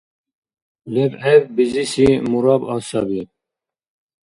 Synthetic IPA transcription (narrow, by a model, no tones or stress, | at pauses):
lɛvɛvbizisimuɾɑːbɑːsɑːbiɛ